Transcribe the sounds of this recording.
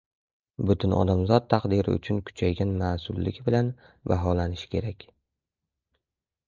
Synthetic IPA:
bʊt̪ʰʊnʔɒ̰d̪amzɒt̪̚ʰːɑqd̪ɪɾɪ̰ʊ̰t͡ʃʰʊnkʰʊ̥t͡ʃʰajɡʲanmaːsʊlːɪ̰ɡʲbɪlan | vaɦɒlanɪʃɪ̥kʲʰe̞ɾakʲ

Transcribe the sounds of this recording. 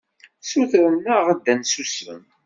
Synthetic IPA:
suθɾənəʁəd̪ːænsusə̰m

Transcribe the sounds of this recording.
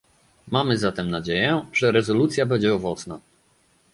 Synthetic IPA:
mamɘzat̪ɛmnad͡ʑejɛʐ̥ɛɾɛzɔlut̪sʲjabɛɲd͡ʑɛɔvɔt̪sna

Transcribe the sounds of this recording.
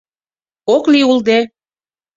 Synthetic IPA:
okliuld̪e

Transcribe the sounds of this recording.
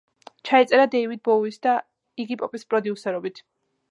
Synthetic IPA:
t͡ʃʰaɛt̪sʼɛɾad̪ɛivid̪̚bɔuisd̪a | iɡipʼɔpʼispʼɾɔd̪iusɛɾɔbit̪ʰ

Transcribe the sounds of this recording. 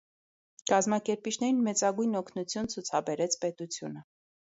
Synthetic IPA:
kɑzmɑkɛɾpit͡ʃʰnɛɾinmɛt͡sɑɡujnɔkʰnut͡sʰjunt͡sʰut͡sʰɑbɛɾɛt͡sʰpɛt̪ut͡sʰjunə

